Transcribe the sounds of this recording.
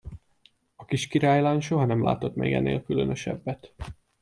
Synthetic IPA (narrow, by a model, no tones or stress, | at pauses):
ɒkiʃkiɾaːjlaːnʃo̞ɦɒnɛmlʔa̰ːt̪o̞t̪mɛ̰ːɡɛ̰nːḛːlkylønøʃɛ̰bːɛt̪